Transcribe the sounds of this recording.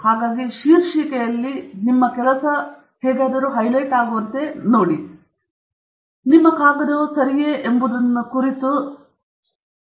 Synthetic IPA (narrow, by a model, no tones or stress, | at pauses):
haːɡaːɡiʃiːɾʃiːkɛjɐlːinimːɐkɛlɐsɐ | hɛːɡaːd̪ɐɾuɦɐjlɐjʈaːɡuʋɐnt̪e̞noːɽi | nimːɐkaːɡɐd̪ɐsɐɾijeʔembud̪ɐnːukuɾit̪u